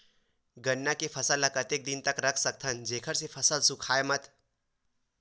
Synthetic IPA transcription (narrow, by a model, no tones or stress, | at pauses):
ɡənːakepʰɐsələkət̪eːk̚d̪ɪnt̪əkɾɐkʰsək̚t̪ʰənd͡ʒeːkʰəɾsepʰɐsəlsʊ̃kʰaːemət̪